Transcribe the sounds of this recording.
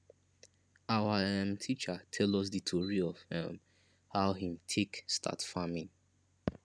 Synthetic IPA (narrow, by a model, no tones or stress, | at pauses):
awaãntʰit͡ʃatʰɛlɔs̬ditʰoɹiɔv̥hɛ̰m | hawɦĩmtʰekstʰa̰tfamĩŋ